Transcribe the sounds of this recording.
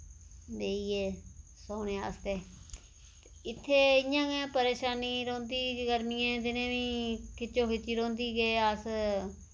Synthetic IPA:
d̪eːieː | soːnẽːa̰ːst̪eː | ɪt̪ʰːeːɪãːɡẽːpəɾeːʃaːniːɾõːnd̪iːɡəɾmiːãːt̪ɪnẽːʋĩːkʰɪt͡ʃːõːkʰɪt͡ʃːiːɾõːnd̪iːɡeːəs

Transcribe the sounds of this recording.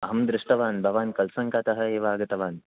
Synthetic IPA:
ɐɦɐmd̪ɾɪʂʈʰɐʋaːnbʱɐʋaːnkɐlsɐŋkaːt̪ɐɦɐ̆eːʋaːɡɐt̪ɐʋaːn

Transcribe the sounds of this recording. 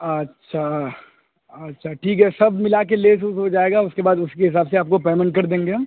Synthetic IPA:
ɐtːʃʰa | ɐtːʃʰaʈʰiːkɦɛsɐbmɪlak̬eleːs̬usɦod͡ʒaːeːɡaʊskebaːd̪ʊskeɦɪs̬aːbseaːp̚kopɛːmənk̬ɐɾd̪ẽːŋɡeɦã

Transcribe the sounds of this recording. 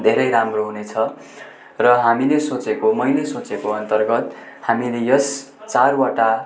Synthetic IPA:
d̪ʱeɾʌjɾamroɦunet͡sʰʌ | rʌɦamilesot͡sekomʌjlesot͡sekoʌnt̪ʌrɡʌt̪ | hamilejʌs | t͡sarwaʈa

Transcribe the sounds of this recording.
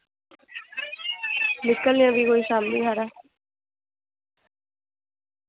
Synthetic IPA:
nɪkːəlːɪãːʋiːkoːiːʃaːmlḭːɦɛːɾɛː

